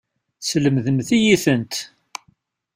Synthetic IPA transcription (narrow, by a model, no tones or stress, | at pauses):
sləmðəmθijiθənt̪